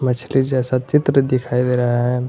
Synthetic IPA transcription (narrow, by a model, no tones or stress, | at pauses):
mɐt͡ʃʰlid͡ʒɛːsat͡ʃɪt̪ɾəd̪ɪkʰaːid̪eːɾɐɦaɦɛː